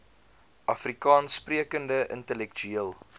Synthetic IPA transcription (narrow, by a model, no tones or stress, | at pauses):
ʔɐfrikɑːnspriəkəndəʔə̰ntəlɛkt͡ʃyiəlˠ